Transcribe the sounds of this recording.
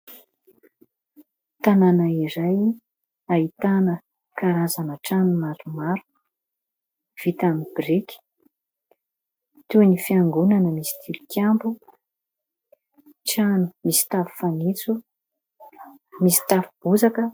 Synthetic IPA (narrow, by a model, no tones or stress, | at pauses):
t̪ananaiɾaj | ait̪anə | kaɾazanəʈ͡ʂanumaɾumaɾu̥ | v̥it̪amib̥rikʲi̥ | t̪unifiaŋɡunanəmisi̥t̪ʰilukʰʲjambu | ʈ͡ʂanumisi̥t̪avu̥fanit͡su | misi̥t̪afub̥uzakə